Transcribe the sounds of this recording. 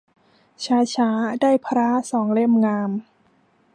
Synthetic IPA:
t͡ɕʰaː˦˥t͡ɕʰaː˩˦˥daː˥˩jpʰɾaː˦˥sɔː˩˦ŋle˥˩mŋaː˧m

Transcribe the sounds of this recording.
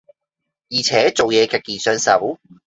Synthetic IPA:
jiː˨˩t͡sʰɛː˨˥t͡so˨wjɛː˨˧˥kʰɛ˨˧kːiː˨˩sœ˧˥nsɐ˨˩w

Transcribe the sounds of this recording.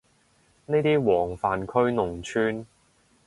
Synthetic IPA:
neː˥jt̪iː˥wɔː˨˩ŋfaː˨nkʰɵ˥ɥnʊ˨˩ŋt͡ʃʰyː˧n

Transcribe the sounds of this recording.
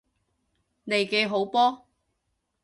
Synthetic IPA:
ne˨˧jke˨˧jɦo˨˥wpɔː˥

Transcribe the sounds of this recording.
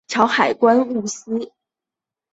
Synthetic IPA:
ʈ͡ʂʰjɑ˧˥ʊxa˨˩ɪkwa˥nu˥˩s̩˥

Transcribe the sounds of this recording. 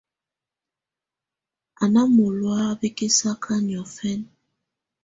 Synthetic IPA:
a˨na˦mo˨lwa˦be˦ke˦sa˦kʰa˦njɔ˨fɛ˦n

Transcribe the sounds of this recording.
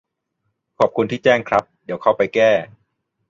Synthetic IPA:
kʰɔː˨˩p̚kʰu˧nt̪ʰiː˥˩t͡ɕɛː˥˩ŋkʰɾa˦˥p̚d̪i˨˦əwkʰa˥˩wpa˧jkɛː˥˩

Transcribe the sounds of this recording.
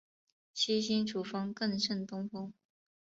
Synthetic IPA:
ɕi˥ɕi˥nʈ͡ʂu˨˩fɑ˥ŋkɤ˥˧nʂə˥˩nt̪ʊ˥ŋfʊ˥ŋ

